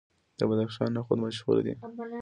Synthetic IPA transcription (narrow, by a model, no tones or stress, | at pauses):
d̪̥əbad̪axʃɑnːaxod̪maʃɣṵl̰d̪ḭ